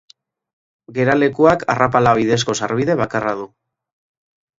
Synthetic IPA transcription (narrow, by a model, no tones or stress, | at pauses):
ɡe̞ɾale̞kuakʰa̰rapalaβ̞iðe̞s̬ko̞saɾβ̞iðe̞βakaraðu